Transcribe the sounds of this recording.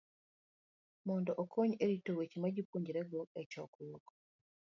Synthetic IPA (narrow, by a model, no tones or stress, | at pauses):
moːndoʔokʰoɲeɾitoɾwecimaɟipuɲɟiɾeɡoecokuloko̥